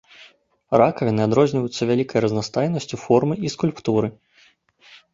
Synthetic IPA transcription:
rakɐvʲinɨad̪ɾɔzʲnʲivɐjut̪sːɐvʲalʲikɐjɾɐznast̪ajnɐsʲt͡sʲufɔrmɨiskulʲpt̪uɾɨ

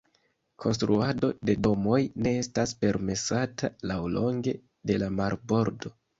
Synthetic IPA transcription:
kʰo̞nstɾuado̞de̞do̞mo̞jne̞estaspe̞ɾme̞satalawlo̞ŋɡe̞ | de̞lamaɾbo̞ɾdo̞

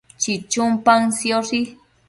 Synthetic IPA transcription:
t͡ʃit͡ʃʊmpaŋsjoʂi

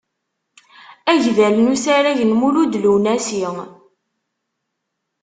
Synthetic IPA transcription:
æʝvælnusaɾæʝənmuɾud̪luwnæsiŋ

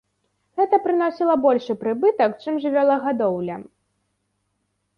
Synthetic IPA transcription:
ɣɛt̪ɐpɾɨnɔsʲilˠɐbɔlʲʂɨpɾɨbɨt̪ɐkt͡ʂɨmʐɨvʲalˠɐɣad̪ɔwlʲɐ̰

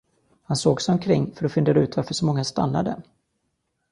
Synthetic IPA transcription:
hansoːɡsɛɔmkʰɾɪŋːfœɾɔfɪnd̪eːɾaʉ̟ːt̪ʰvaɾfœʂɔmɔŋːast̪a̰nːa̰d̪ə̰

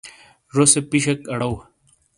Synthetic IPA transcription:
ɾosepiɕɐkɐɽɐw

